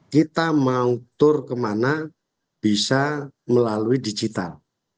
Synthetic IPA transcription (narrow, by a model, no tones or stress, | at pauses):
kit̪amaut̪ʊrkəmana | b̥isaməlaluidid͡ʒit̪a̰l